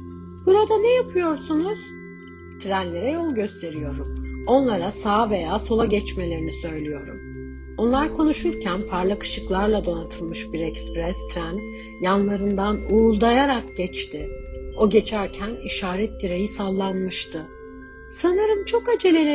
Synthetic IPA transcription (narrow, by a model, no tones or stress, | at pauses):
b̥uɾad̪anɛjapʰɯjo̞ɾsunuz̥ | t̪ʰɾænlʲe̞ɾɛjo̞lˠɟø̞st̪ʰe̞ɾijo̞ɾumo̞nlˠaɾasaːve̞jaːso̞lˠaɟɛt͡ʃme̞lʲe̞ɾinisø̞jlʲijo̞ɾṵm | o̞nlˠaɾkʰo̞nuʃuɾcʰænpʰaɾlˠakɯ̥ʃɯklˠaɾlˠad̪o̞nat̪ʰɯlˠmɯʃbiɾɛkspɾɛst̪ʰɾæn | janlˠaɾɯnd̪anuːlˠd̪ajaɾakɟ̥ɛt͡ʃt̪ʰɪo̞ɟe̞t͡ʃʰæɾcʰæniʃaːɾɛt̪̚d̪iɾejisalˠːanmɯʃt̪ʰɯ | sanɯɾɯmt͡ʃʰo̞kad͡ʒe̞lʲe̞lʲe